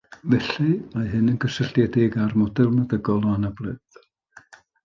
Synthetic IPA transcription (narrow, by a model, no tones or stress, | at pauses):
vɛɬimajɦɨnənɡəsəɬdjɛdeɡarmɔdɛlˠnaðəɡɔlˠɔanabrɨð̥